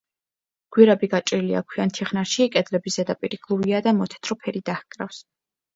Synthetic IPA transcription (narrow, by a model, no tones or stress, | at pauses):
ɡ̥wiɾabiɡat͡ʃʼɾilia̰kʰwiant̪ʰiχnaɾʃikʼɛd̪lɛbizɛd̪apʼiɾiɡlˠuviad̪amɔt̪ʰɛ̥t̪ʰɾɔpʰɛɾid̪ahkʼɾafs